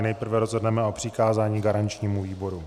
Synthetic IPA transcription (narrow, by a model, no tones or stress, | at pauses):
nɛjpr̩vɛɾozɦodnɛmɛo̞pr̝̥ɪkaːzaːɲiːɡaɾant͡ʃɲiːmuviːbo̞ɾu